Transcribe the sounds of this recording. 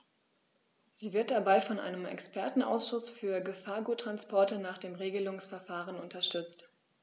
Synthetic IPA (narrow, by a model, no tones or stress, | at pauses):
z̥iːvɪɐt̚d̥abaɪfɔnʔa̰ɪnəmɛ̰kspʰɛɐtn̩ʔa̰ʊsʃʊsfyːɐɡəfaːɐɡuːtʁ̥anspɔɐtənaːχd̥eːmʁeːɡəlʊŋsfɛɐfaːʁənʊntɐʃtʏt͡st